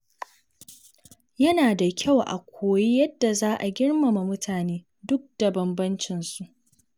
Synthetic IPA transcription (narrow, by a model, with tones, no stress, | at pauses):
jɐ˦naː˨da˨kʲʰa˦˨wʔa̰˨kʷʰoː˨ji˦jɐ˦dːa˨zaː˦ʔa˨ɡʲɪ˦ɽmɐ˨ma˨mʊ˦tʰaː˨neː˦ | dʊ˦k̚d̥ɐ˨bɐ˨mbɐ˦nt͡ʃɪ˨nsu˨ʔ